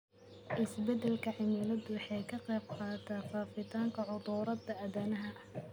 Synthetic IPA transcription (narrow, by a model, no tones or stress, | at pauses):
ʔɪsbɛd̪ɛlkʰɐʕɪmɪlɐd̪ʊwɑħɑjkʰɐqɛjb̚qɑːt̪ʰaːfaːfɪt̪ʰaːŋkʰɐʕʊd̪uːɾɐd̪ɐɐðɐnɐɦɐʔ